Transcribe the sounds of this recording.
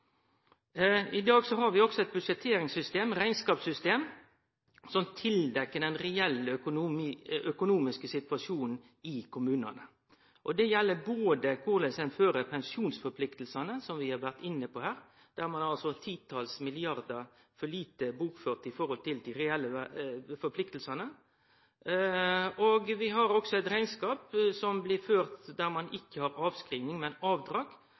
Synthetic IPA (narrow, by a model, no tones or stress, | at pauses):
ɪd̪ɑːɡsɔɦɑɾʋɪɔksɔɛt̪̚bʉʂɛt̪ʰeːɾɪŋsʏst̪eːmɾæɪnskɑːpsʏst̪eːm | sɔmt̪ʰɪld̪ɛkːəd̪ɛnɾɛɛlːœkʊmœkʊnuːmɪskəsɪt̪ʉʋɑʂuːnn̩ | ɪkʰʊmʉːnɑ̰nə | ʔɔd̪ɛjɛlːəboːd̪əkʰʊʁlɛsɛnføːɾəpʰɛnsjuːnsfɔpʰlɪkt̪l̩sɑnəsɔmʋɪhɑɾʋæʁt̪ɪnːəpɔhæːɾ | d̪̥æɾmɑnhɑlsɔt̪ʰiːt̪ʰɑlsmɪlɪɑɾd̪ə | fɔɭiːt̪əbuːkføːʁt̪ɪfɔɾhɔlt̪ɪld̪ɪɾɛɛlːəfɔɾplɪkt̪l̩sɑnə | oɡʋɪɦɑɾɔksɔɛɪt̪ɾæɪnskɑːpsɔmblɪɾføːɾt̪d̪æɾmɑnɪkʰːəhɑɾɑːʋskɾiːnɪŋmɛnɑːʋd̪ɾɑːɡ